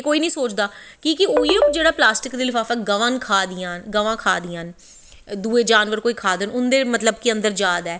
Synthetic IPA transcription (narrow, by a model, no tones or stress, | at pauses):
koːiːnəĩːsoːt͡ʃd̪aː | kiːkɪoːid͡ʒeːɽaːplaːsʈɪkd̪iːlɪfaːfɛːɡəʋãnkʰaːd̪ɪjãːnɡəʋãːkʰaːd̪iːãːn | d̪uːeːd͡ʒaːnʋəɾkoːiːkʰaːd̪ənʊnd̪eːmət̪ləbkɪə̃nd̪əɾd͡ʒaːd̪ɛː